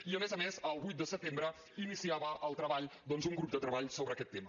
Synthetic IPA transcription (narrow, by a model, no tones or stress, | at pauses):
iəmezəmezəlˠβujt̪̚d̪əsət̪embɾə | inisiaβəʔəlˠt̪ɾəβaʎd̪ɔnzuŋɡɾup̚d̪ət̪ɾəβaʎsoβɾəːkɛt̪ːemə